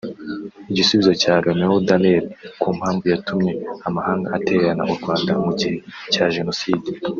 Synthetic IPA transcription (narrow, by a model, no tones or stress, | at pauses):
iɟisuβizocaːɾeːmeudaneɾikuːm̥haːɱvujatʰumɲe̞amahaːŋɡa̰ʔateβeɾana̰ʔuɾɡwaːnda̰muɟiɾicaːʒe̞no̞siːdi